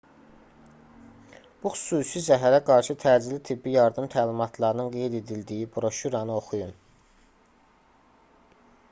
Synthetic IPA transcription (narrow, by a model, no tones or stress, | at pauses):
b̥uxy̥suːsizæɦæɾæɡɑɾʃɯt̪ʰæd͡ʒilit̪ʰibːijɑɾd̪ɯmt̪ʰæːlimɑt̪ʰlˠɑɾɯnɯnɡe̞jd̪e̞d̪ild̪ijibɾo̞ʃuɾɑnɯo̞xujun